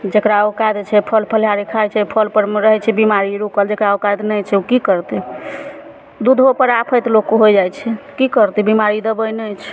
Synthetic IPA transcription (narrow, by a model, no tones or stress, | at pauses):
d͡ʒekɾaokad̪t͡ʃʰɛpʰəlpʰəljaɾikʰajt͡ʃʰɛpʰəlpəɾmɾəɦɛt͡ʃʰɛbimaɾiɾukəld͡ʒekɾaokad̪nəjt͡ʃʰɛukikəɾt̪ɛ | d̪ud̪ʱɦopəɾapʰəjt̪lokːoɦojd͡ʒajt͡ʃʰɛkikəɾt̪ɛbimaɾid̪əbəjnət͡ʃʰɛ̥